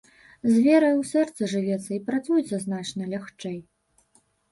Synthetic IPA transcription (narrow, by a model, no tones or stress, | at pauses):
zʲvʲɛɾɐjwsʲɛrt̪sɨʐɨvʲɛt̪sːɐipɾat̪sujɛt̪sɐznat͡ʂnɐlʲaxt͡ʂɛj